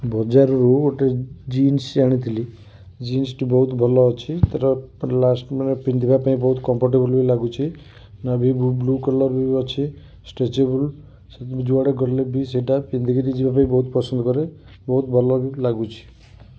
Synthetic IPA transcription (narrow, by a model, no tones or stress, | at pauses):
bɔd͡ʒaɾɔɾuoʈed͡ʒinsd͡ʒaɽ̃it̪ʰili | d͡ʒinsʈibɔɦut̪bʱɔlɔːt͡ʃʰit̪ɔɾɔlasʈmanpind̪ʱibapaĩbɔɦut̪kɔmpʰɔɾʈ̬ebɔlbilaɡut͡ʃʰi | nabʱibblukɔlɔɾbiɔt͡ʃʰi | sʈet͡ʃebul | set̪d͡ʒuaɽeɡɔɾlebiseʈapind̪ʱiɡiɾid͡ʒibapaĩbɔɦut̪pɔsɔnd̪ɔkɔɾe | bɔɦut̪bʱɔlɔbilaɡut͡ʃʰi̥